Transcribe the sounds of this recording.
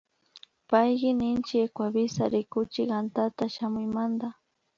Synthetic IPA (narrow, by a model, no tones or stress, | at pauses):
pajɢɪnɪnt͡ʃɪekwabɪsaɾɪkʊt͡ʃɪkant̪at̪aʃamʊjmand̪a